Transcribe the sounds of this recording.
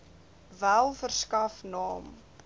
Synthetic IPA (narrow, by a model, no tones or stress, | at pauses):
vælˠfərskɐfnɑːm